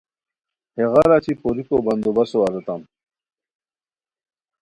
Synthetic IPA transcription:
heɣaɾat͡ɕipoɾikobɐnd̪obɐsoɐɾɐt̪am

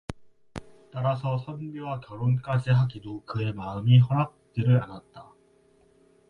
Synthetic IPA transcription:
t͈aɾasʰʌsʰʌnbiwakjʌɾonk͈ad͡ʑiɦaɡidokɯe̞maɯmiɦʌɾak̚t͡ɕ͈iɾɯɾanat̚t͈a

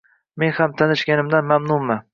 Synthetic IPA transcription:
me̞nhamt̪ʰanɪʃɡʲanɪmd̪anmamnʊmmːa

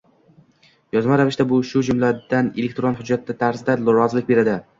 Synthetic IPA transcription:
jɒzmaɾavɪʃt̪abʊʃʊd͡ʒʊmlad̪anelek̚ʲt̪ɾonɦʊd͡ʒːat̪ʰːat̪ʰaɾzd̪alˠɾɒzlɪkʲbe̞ɾad̪ɪ

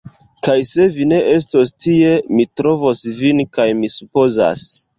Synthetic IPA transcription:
kajse̞vine̞ʔe̞s̬tostie̞mitɾo̞vosvinkajmisupo̞za̰s

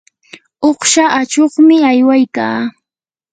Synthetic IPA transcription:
oχʃaʔat͡ʃoχmɪajwajkaː

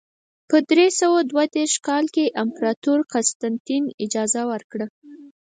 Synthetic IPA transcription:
pəd̪ɾesawad̪wad̪eɾʃkɑlkeʔampɾɑt̪uɾqast̪ant̪inɪd͡ʒɑzawəɾkɽə

